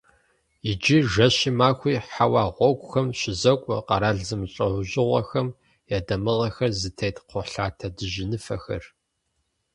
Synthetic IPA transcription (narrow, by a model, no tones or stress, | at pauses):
ɪd͡ʒiʒɐɕimaːkʷiːħawɑːʁʷɔkʷʼʊxɐmɕɪzɐkʷʼɔ̰qɑɾaːɮzɨmɕʼɐʕʷʊʑɪʁʷɐ̰xɐm | jaːdɐmɨʁɐxɐrzɨtʰejtqʰʷʊɬaːtʰɐdɨʒɪnɨfɐ̰xɐ̰r